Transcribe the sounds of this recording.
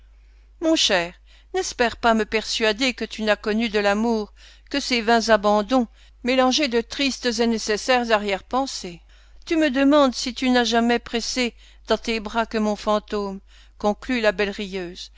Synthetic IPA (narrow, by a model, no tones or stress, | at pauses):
mɔ̃ʃɛːʁ | nɛspɛʁpaməpɛʁsɥad̪ekət̪ynakɔnyd̪əlamuʁ | kəsevɛ̃zabɑ̃d̪ɔ̃ | melɑ̃ʒed̪ət̪χist̪zenɛsesɛʁzaʁjɛʁpɑ̃se | t̪yməd̪əmɑ̃d̪sit̪ynaʒamɛpχɛse | d̪̥ɑ̃t̪ebʁakəmɔ̃fɑ̃t̪om | kɔ̃klylabɛlʁijøːz